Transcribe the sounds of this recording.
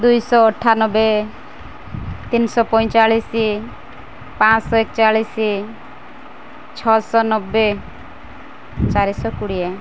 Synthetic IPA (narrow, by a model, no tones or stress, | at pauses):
d̪ujsɔːʈʰanɔbe | t̪insɔpɔj̃t͡ʃalisi | pãt͡ʃsɔek̚t͡ʃaɭisi | t͡ʃʰɔsɔnɔbːe | t͡ʃaɾisɔkuɽije